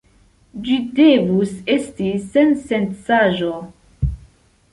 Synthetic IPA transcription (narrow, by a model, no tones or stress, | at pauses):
d͡ʒidevuse̞stisensensaʒo